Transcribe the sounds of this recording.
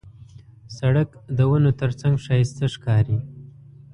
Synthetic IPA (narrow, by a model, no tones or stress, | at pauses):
saɽəkd̪əwənot̪əɾt͡saŋɡʃɑjɪst̪əʂkɑɾi